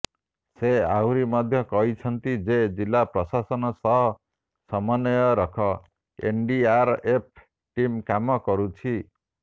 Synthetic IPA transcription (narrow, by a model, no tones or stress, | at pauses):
seawɾimɔd̪ʱjɔkɔɦit͡ʃʰɔnt̪id͡ʒed͡ʒilːapɾɔsasɔnɔsɔɦɔ | sɔmɔnɔjɔɾɔkʰɔ | ḛnɖiaɾep̚ʰ | ʈimkamɔkɔɾut͡ʃʰi